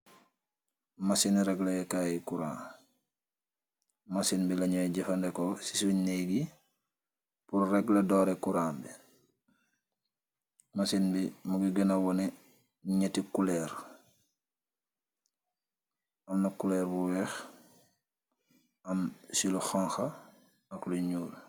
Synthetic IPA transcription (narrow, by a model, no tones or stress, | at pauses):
mɐsinɾɛɡlɐjɛkajikuɾa̰ː | masinbilɐɲɔɟɛfɐndɛkɔsi̥suɲnɛɡi | purrɛɡlɐdɔːɾɛkuɾaːbi | mɐsinbimuɡiɡənɐwɔnɛ | ɲɛtikulɛːɾ | ɐmnɐkulɛːɾbuwɛx | ɐmsiluxaŋxɐ | ɐkluɲuːl